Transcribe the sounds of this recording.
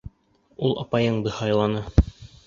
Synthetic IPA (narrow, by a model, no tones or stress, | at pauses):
ulˠɑ̰pɑjɤɴd̪ɤhɑjlˠɑnɤ